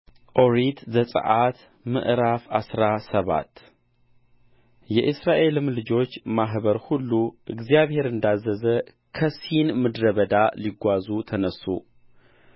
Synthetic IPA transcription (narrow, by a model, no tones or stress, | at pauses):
ʔo̞ɾit̪zəsʼə̰ʔat̪ | mɨ̰ʔɾafa̰sɾasəβa̰t̪ː | jɛʔɨsɾaʔe̞lɨmlɨd͡ʒo̞t͡ʃːmaɦβəɾhulːuʔɨɡzijaβhe̞ɾɨnd̪azːəzə | kʰəsinmɨd̪ɾəβəd̪aliɡʷazut̪ʰənəsːṵ